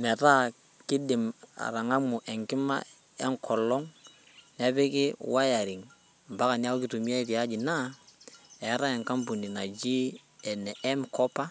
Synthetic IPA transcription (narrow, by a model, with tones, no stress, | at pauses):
mɛ˨ɾa˦˨ | ki˦di˨ma̰˨ɾa˨ŋa˦mu˨ʔɛ˨ŋki˦ma̰˦ | ɛ˦ŋkʰɔ˨lɔ˦ŋ | nɛ˦bi˦ki˦wa˦ja˨ɾi˨ŋ | ba˦ka˨ni˦a˦u˦ki˦tu˨mi˦a˦ɾi˨a˦d͡ʒi˨na˦ | ɛ˨˦ɾa˦ɛ˨ŋka˦mbu˨ni˨na˨d͡ʒi˦ | ɛ˨nɛ˨ʔɛ˦mkɔ˦pa˦